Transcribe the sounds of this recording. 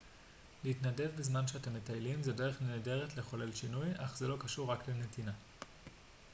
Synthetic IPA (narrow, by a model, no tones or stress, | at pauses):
leitnade̞vbezmanʃeate̞mːetajlimzede̞ʁeχneede̞ʁetle̞χo̞le̞lʃinujaχzelo̞kaʃuʁːaklenetina